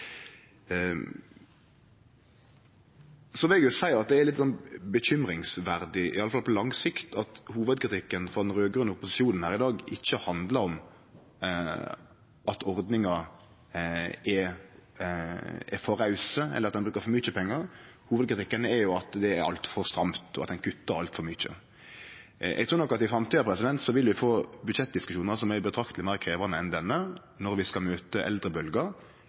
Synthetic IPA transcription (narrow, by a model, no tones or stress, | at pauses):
sɔʋɪlɛɡjʊsæɪəʁɑt̪̚d̪ɛæɾlɪt̪sɔnbəçʏmɾɪŋsʋæɾd̪ɪʔɪ̰ɑlːəfɑlpʰɔlɑŋsɪkt̪ʰɑt̪huːʋəd̪kɾɪt̪ʰɪkːənfɔʁd̪ɛnɾøːɡʁʉnːəʊpʊsɪsɪuːnən̩hæːɾɪd̪ɑːɡɪçːəhɑnd̪ləɾɔm | ɑt̪ʰɔɾd̪nɪŋɑ | ɛ | ɛfɔɾɑʉsəɛ̰lːəɑt̪̚d̪nbɾʉːkəɾfɔmyːt͡ʃəpʰɛŋːɑɾhuːʋəd̪kɾɪt̪ɪkːənɛɾjʊɑt̪d̪ɛæɾɑ̰lt̪fɔʁst̪ɾɑmt̪ɔ̰ɑt̪ɛnkʰʉt̪ːəɾɑlt̪fɔɾmyːt͡ʃə̰ | ʔɛ̰ɡt̪ʰuːnɔkːɑt̪ɪfɾɑmt̪iːɑpʰɾɛsɪd̪ɛnt̪sɔʋɪlʋɪfoːbʉd̪ʃɛt̪̚d̪ɪskʉʃuːnəsɔmæbət̪ʰɾɑkt̪əlɪmæɪʁəkʰɾeːʋɑnəɛnd̪ɛnːə | nɔɾʋɪskɑlmøːt̪əʔɛ̰ld̪ɾəbœlɡəɾ